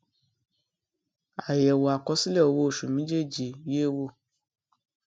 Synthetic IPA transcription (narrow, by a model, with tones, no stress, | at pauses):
a˨jɛ˨wo˨a˨kɔ˨˦si˦lɛ˦˨o˨˧wo˧˦o˦˨ʃu˨mĩ˨˦d͡ʒe˦˨d͡ʒi˨wi˦e˦˨wo˦˨